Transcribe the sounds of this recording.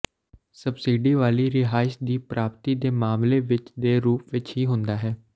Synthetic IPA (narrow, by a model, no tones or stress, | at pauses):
səbsiːɖiːʋaːliːɾɪɦaːɪʃd̪iːpɾaːpt̪iːd̪eːmaːmleːʋɪt͡ʃd̪eːɾuːpʋɪt͡ʃɦiːɦʊ̃nd̪aːɦɛː